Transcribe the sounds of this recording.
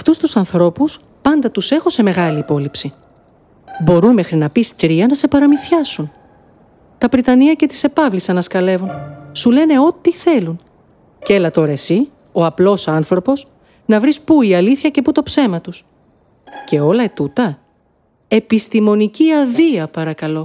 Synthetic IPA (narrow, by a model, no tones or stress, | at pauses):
ɐft̪ust̪usɐnθɾo̞pus | pɐnd̪ɐt̪use̞xose̞me̞ɣɐliːpo̞lipsi | bo̞ɾunme̞xɾinɐpist̪ɾiɐnɐse̞pɐɾɐmiθçɐsun | t̪ɐpɾit̪ɐniɐce̞t̪i̥se̞pɐvlisɐnɐskɐle̞vunsule̞ne̞o̞t̪iθe̞lun | ce̞lɐt̪o̞ɾe̞si | o̞ɐplo̞sɐnθɾo̞po̞s | nɐvɾispuiɐliθçɐce̞put̪o̞pse̞mɐt̪us | ce̞o̞lɐet̪ut̪ɐ | e̞pist̪imo̞niciɐðiɐpɐɾɐkɐlo̞